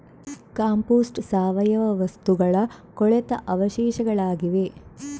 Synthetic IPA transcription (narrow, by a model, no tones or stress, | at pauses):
kaːmpoːsʈsaːʋɐjɐʋɐʋɐst̪uɡɐɭɐkɔɭɛt̪ɐʔɐʋɐʃɛːʃɐɡɐɭaːɡiʋe